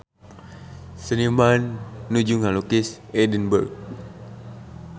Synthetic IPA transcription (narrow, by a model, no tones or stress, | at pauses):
sənimanːud͡ʒuŋalokis | edənbərk̚